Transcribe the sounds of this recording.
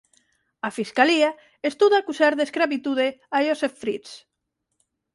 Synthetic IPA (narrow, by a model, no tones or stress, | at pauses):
afiskalia | est̪uðakusaɾðeskɾaβit̪uðeajosefːɾis